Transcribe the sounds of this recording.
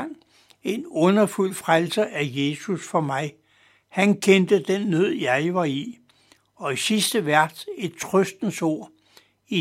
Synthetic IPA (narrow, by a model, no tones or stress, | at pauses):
ŋ̰ | e̝nɔ̽nɐful̰fʁalsəʔæje̝susfɒ̽mɑ̈ɪ | hænkʰend̥əd̥enːøð̰ˠjɑ̈ɪʋɑ̈i | ɒ̽isisd̥əʋæɐ̰d̥se̝d̥̚t͡sʰʁœsd̥n̩so̝ɐ̰ | i